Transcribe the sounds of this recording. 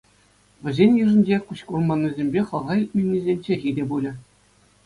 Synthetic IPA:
ʋʲɘ̆zʲenʲjɯʐɤ̆nʲd͡ʑekuɕkurmɑnʲːɤzʲemʲbʲeχɤ̆ʁɑilʲt̚ʲmʲenʲːizʲenʲt͡ɕeɣʲidʲebulʲɘ̆

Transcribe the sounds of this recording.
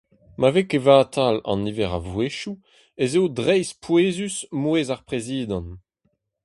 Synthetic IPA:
mavekevaːtʰalɑ̰̃niːvɛʁa̰vweʃu | ezeodʁɛjspweːzysmweːzaʁpʁeziːdɑ̃n

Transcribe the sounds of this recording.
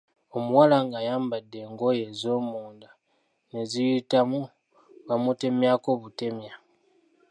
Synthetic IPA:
omuwalaŋɡajaːmbadːe̞ŋɡo̞je̞zomuːnda | nezijitamu | βamute̞mjakoβute̞mja

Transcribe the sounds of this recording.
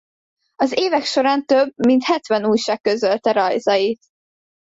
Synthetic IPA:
ɒzeːvɛkʃo̞ɾaːnt̪øb̚mint̪hɛt̪ʋɛnuːjʃaːk̚køzølt̪ɛɾɒjzɒjit̪

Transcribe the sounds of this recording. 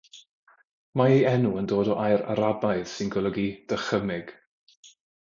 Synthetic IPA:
maejɛnuəndoːdɔʔajɾa̰ɾabajð̥sɪnɡɔlˠəɡid̥əχəmɪɡ̥

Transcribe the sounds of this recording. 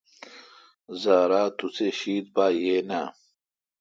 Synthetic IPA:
zaːɾaːt̪ut͡seɕiːd̪̚baːjeːna

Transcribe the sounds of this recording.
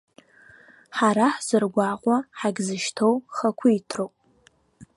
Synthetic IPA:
ħaɾaħz̥ɨrɡʷaqʷʼaħaɡzɨʃtʰowχɐkʷʰʊitʰrowpʼ

